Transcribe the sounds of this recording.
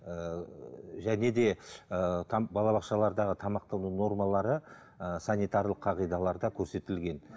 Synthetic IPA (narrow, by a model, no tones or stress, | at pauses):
ə | ʒæne̞d̪e̞ət̪ʰbɑlˠɑβɑqʃɑlˠɑɾd̪ɑʁət̪ʰɑmɑqt̪ɑwnəwno̞rmɑlˠɑɾə | əsanijt̪aɾlˠəqʰːɑqijd̪ɑlˠɑɾd̪ɑkʲʰɵɾse̞t̪ɪlɡʲe̞n